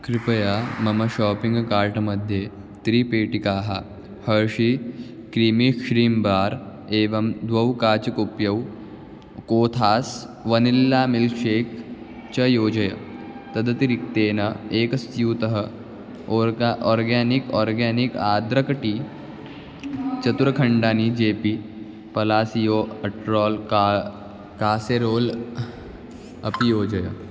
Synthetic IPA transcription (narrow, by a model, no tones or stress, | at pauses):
kɾipɐjaːmɐmɐɕɔːpiŋɡkaːɾʈɐmɐd̪ʱːje | t̪ɾiːpeːʈikaːɦa | hɐɾɕi | kɾiːmikʂɾiːmbaːɾ | eːʋɐmd̪ʋɐwkaːt͡ɕɐkupjɐw | koːt̪ʰaːsʋɐnilːaːmilʃeːk | t͡ɕɐjoːd͡ʒɐjɐ | t̪ɐd̪ɐt̪iɾɪk̚t̪eːnɐeːkɐst̪juːt̪ɐɦɐ | ɔːɾɡaːnikɔːɾɡeːnikaːd̪ɾɐkɐʈi | t͡ʃɐt̪uɾɐkʰɐɳɖaːnid͡ʒeːpi | pɐlaːsijoːpɐʈɾɔːlkː | kaːseɾoːl | ɐpjoːd͡ʒɐjɐ̰